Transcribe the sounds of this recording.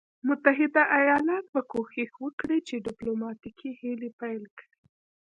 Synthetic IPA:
mʊt̪aɦɪd̪aʔajɑlɑt̪̚bakoxixwəkɽet͡ʃeɖɪplomɑt̪ikʰihelepajlkɽi

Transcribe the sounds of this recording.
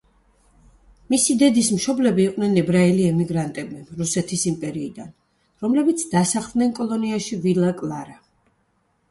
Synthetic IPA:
misid̪ɛd̪ismʃɔblɛbiːqʼnɛnɛbɾaɛliɛmiɡɾant̪ʼɛbiɾusɛt̪ʰisimpʼɛɾiːd̪an | ɾɔmlɛbit̪sʰd̪asaχd̪ˠnɛnkʼɔlˠɔniaʃivilakʼlˠaɾa

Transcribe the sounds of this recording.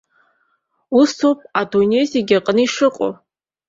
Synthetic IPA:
ustʰowpʼadunʲejzeɡʲaqʼnɨiʂɨqʼo̰

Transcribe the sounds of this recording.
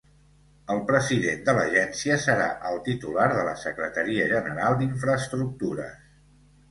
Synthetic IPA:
əlˠpɾəziðend̪ələʒɛnsiəsəɾa̰ʔəlˠt̪it̪ulaɾðələ̰səkɾət̪əɾiəʒənəɾalˠd̪iɱfɾəːst̪ɾuk̚t̪uɾə̰s

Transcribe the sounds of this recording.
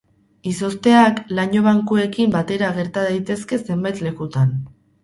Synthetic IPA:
iso̞st̪e̞aklaɲo̞β̞aŋkue̞kimbat̪e̞ɾaɣ̞e̞ɾt̪aðajt̪e̞ske̞se̞mbajt̪le̞kut̪an

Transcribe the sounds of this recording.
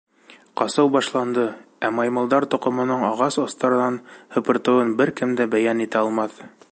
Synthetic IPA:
qɑsɤwbɑʃlˠɑnd̪ɤ | æmɑjmɤ̆lˠd̪ɑɾt̪ŏqɤ̆mɤ̆nɤɴɑʁɑsɑst̪ɑɾɤ̆nɑnhɤ̆pɤ̆ɾt̪ɤ̆wɤnbɘɾkɘmd̪æbæjænit̪æɑlˠmɑθ

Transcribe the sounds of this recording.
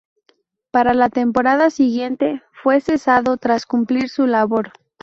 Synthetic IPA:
paɾalat̪e̞mpo̞ɾað̞asiɣje̞nt̪e̞fwe̞se̞saðo̞t̪ɾaskumpliɾsulaβo̞ɾ

